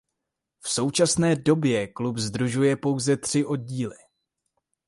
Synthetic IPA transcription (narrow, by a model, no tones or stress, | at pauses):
fso̞wt͡ʃasnɛːdo̞bjɛklupzd̪ɾuʒujɛpo̞wzɛt̪r̝̥ɪʔo̞d̚ɟiːlɪ